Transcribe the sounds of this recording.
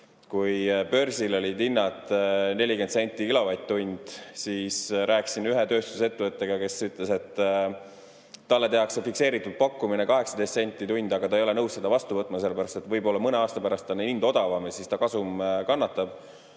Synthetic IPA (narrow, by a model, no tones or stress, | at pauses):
kujpø̞rsilo̞lʲid̪inːɑt̪ne̞lʲikensenʲt̪ːˑiilovɑjt̪̚t̪ːunʲd̪̥siːsɾʔæːksinyɦet̪ø̞ːst̪u̥se̞t̪ːevɤt̪ːˑe̞ɡ̥ɑke̞syt̪ˑle̞se̞t̪ː | ɑlːe̞t̪e̞ɑksefikse̞ːɾit̪ːˑud̪̥̚pɑkːuminekɑɦe̞ksɑd̪e̞jst̪se̞nʲt̪ˑːit̪unʲd̪̥ɑɡɑt̪ɑejo̞le̞nɤwsse̞d̪ɑvɑst̪uvɤt̪ːˑmɑse̞lːebæɾɑst̪e̞t̪ːvɤjbo̞lːɑmɤneɑːst̪ɑpæɾɑst̪ːˑɑnind̪̥o̞d̪̥ɑvɑmesist̪ɑkɑsumkɑnːɑt̪ːˑɑb̥̚